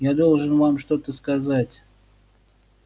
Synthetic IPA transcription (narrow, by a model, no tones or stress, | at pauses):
jad̪o̞lˠʐɨnvamʂt̪ot̪əskazatʲ